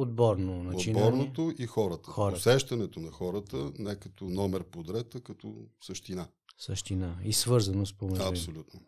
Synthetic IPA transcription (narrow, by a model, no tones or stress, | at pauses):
od̪̚bɔɾnonaodt͡ʃibɔɾnot̪oʔixɔɾət̪ə̥xɔɾosɛʃt̪ɐnɛt̪onɐxɔɾət̪ənɛkɐt̪onɔmɛɾpod̪ɾɛt̪əkɐt̪ɔ̰səʃt̪ina | səʃt̪inaisvɤɾzɐnospomɛɐpsolʲut̪no